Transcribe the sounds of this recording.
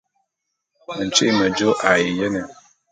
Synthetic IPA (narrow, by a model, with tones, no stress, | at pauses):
n̩˨t͡ʃi˦˨ma˨d͡ʒo˦ʔa˨jɪ˨jɛ˦nɪ˨